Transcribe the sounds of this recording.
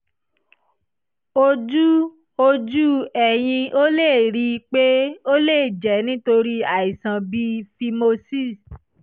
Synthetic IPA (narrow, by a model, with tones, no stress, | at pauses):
o˧d͡ʒu˦ | o˧d͡ʒu˦ɛ˨j̃ĩ˧ʔo˦le˦˨ɾi˧k͡pe˦o˦le˦˨d͡ʒɛ˨˦nĩ˦to˧ɾi˦a˨i˨sã˨bi˦fi˧mo˧si˦˨